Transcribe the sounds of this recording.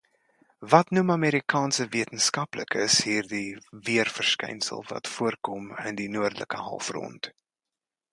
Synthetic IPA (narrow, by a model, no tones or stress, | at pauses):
vɐtnumɐmeːɾikʰɑːnsəviətənskɐpləkʰəsɦiːrdiviərfərskɛ̰jnsə̰lˠvɐ̰tfuərkɔməndinuərdlə̰kəɦɐ̰lˠfrɔ̰nt